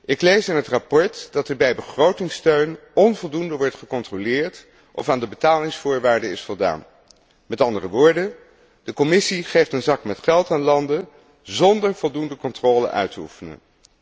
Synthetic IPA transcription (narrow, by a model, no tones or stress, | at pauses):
ʔɪklejsɪnɦətrapɔɹtd̥ɑtɛɹbɛjbəχrowtɪŋstøɥnɔnvɔlˠdundəʋɔɹtχəkɔntrolɪːɹt | ʔɔ̰faːndəbətaːlɪŋsfʊːɹʋaːɹdəɪsfɔlˠda̰ːn | mɛtɑndərəʋʊːɹdən | d̥əkɔmɪsiχejftənzɑkmɛtχɛlˠtaːnlɑndə | zɔndəɹv̥ɔlˠdundəkɔntrɔːlə̰ʔœ̰ɥtəṵfənə̰n